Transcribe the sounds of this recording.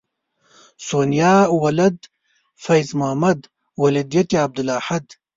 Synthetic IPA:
soːnijaːwɐlɐd̪ | fɐjzmʊhmɐd̪ | wɐlid̪ijɐt̪iɐb̚d̪ɨlaːħɐd̪

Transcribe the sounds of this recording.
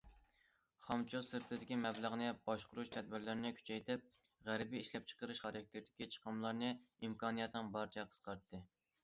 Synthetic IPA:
χɑmt͡ʃʰosɨɾt̪ʰɨd̪ɪkʲimɛblˠəʁnɨbɑʃqʊɾuʃt̪ʰɛd̪̚bɪɾlɪɾɪnɪkʲʰy̥t͡ʃʰɛjt̪ʰɪp̚ʁæɾɪbiiʃlɛp̚t͡ʃʰə̥qəɾɨʃχɑɾɑk̚ʲt̪ʰeɾd̪ɪkʲit͡ʃʰə̥qʰəmlˠɑɾnɨimkʰɑːnɨjɛt̪nɨŋbɑɾt͡ʃʰɛqʰə̥sqɑɾt̪ʰːɨ

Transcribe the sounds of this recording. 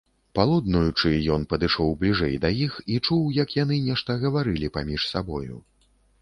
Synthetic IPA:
palˠud̪nujut͡ʂɨjɔn̪pɐd̪ɨʂɔwblʲiʐɛjd̪ɐjixit͡ʂuwjɐkjanɨnʲɛʂt̪ɐɣɐvaɾɨlʲipamʲiʂsabɔjṵ

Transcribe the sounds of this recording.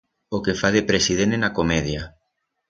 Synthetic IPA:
okefaðepɾesiðenenakomɛðja

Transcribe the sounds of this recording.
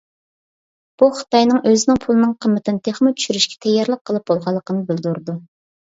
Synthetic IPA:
b̥uχə̥t̪ɑjnɨŋʔøzɪnɪŋpʰulˠɨnɨŋqʰəmːɪt̪ʰɪnɨt̪ʰeχmɨt͡ʃʰy̥ʃyɾyʃkʲɛ̥t̪ʰɛjːɑɾlˠəq̚ʰːəlˠɨp̚b̥olˠʁɑlˠːəqʰənɨbɪlˠd̪uɾd̪u

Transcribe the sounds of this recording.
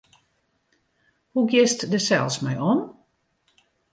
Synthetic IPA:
huɡjɪstdəsɛ̰lˠsmɛjɔn

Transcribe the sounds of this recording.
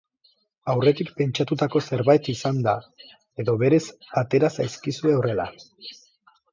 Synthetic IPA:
awre̞t̪ikpe̞nt͡ʃat̪ut̪ako̞se̞ɾβajt̪isand̪a | e̞ðo̞βe̞ɾe̞sat̪e̞ɾasajskisue̞ore̞la̰

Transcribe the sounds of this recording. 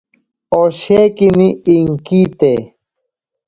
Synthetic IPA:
oɕekiniiŋkit̪e

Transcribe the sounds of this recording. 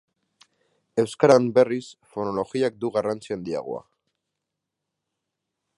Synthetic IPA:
e̞wskaɾambe̞risfo̞no̞lo̞ɣiak̚d̪uɣarant͡siand̪ia̰ɣ̞o̰a̰

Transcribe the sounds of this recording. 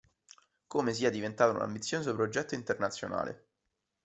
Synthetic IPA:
koːmes̬iːad̪ivent̪aːt̪oṵna̰mbit̪sːjoːsopɾod͡ʒɛt̪ːoint̪ernat̪sːjo̰na̰ːlḛ

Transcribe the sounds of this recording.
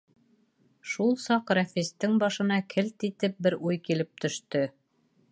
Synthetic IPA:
ʃulˠsɑqɾæfist̪ɘŋbɑʃɤ̆n̪ɑkʰɘlt̪it̪ɘp̚bɘɾujkilɘp̚t̪ɵ̆ʃt̪ɵ

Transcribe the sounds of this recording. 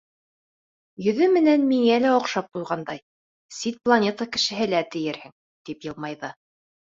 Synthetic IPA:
jɵ̆ðɵmɘ̆nænmiŋælæŏqʃɑp̚qujʁɑnd̪ɑj | sit̪̚plˠanʲet̪əkɘ̆ʃɘ̆ɦɘ̆læt̪ɘ̆jɘɾhɘŋ | t̪ipjɤ̆lˠmɑjðɤ

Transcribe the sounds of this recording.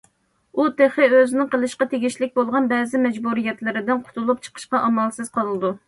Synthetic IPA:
ut̪ʰeχɪøzɪnɪŋqəlˠɨʃqɑt̪ʰeɡʲiʃlɪk̚ʲbolˠʁɑnbɛzɪmɛd͡ʒbuɾijɛt̪lɪɾɪd̪ɪnqʰʊ̥t̪ʰulˠup̚t͡ʃʰə̥qʰə̥ʃqɑʔɑmɑlˠsɨz̥qʰɑlˠɨlɨd̪u

